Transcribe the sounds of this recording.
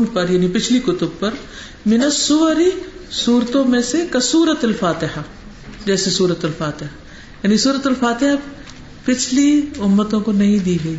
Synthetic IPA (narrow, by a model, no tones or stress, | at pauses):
pɐɾjaːnipɪt͡ʃʰlikʊt̪ʊb̚pɐɾ | mɪnəsːʊʋəɾisuːɾt̪õmẽsekɐsuːɾət̪ɐlfaːt̪ɪɦa | d͡ʒɛːsesuːɾət̪ɐlfaːt̪ɪɦa | jaːnisuːɾət̪ɐlfaːt̪ɪɦa | pɪt͡ʃʰliʊmːət̪õkonɐɦĩd̪iːɡɐiː